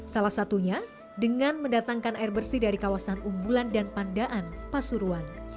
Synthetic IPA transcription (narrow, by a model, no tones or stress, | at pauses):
salahsat̪uɲa | dəŋanməndat̪aŋkanairbərsidaɾikawasanumbulandanpandaʔanpasuɾuan